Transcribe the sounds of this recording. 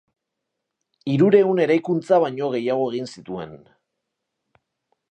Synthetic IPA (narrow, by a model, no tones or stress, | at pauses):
iɾuɾe̞une̞ɾajkunt͡saβ̞aɲo̞ɣ̞e̞jaɣ̞o̞e̞ɣ̞insit̪ue̞̰n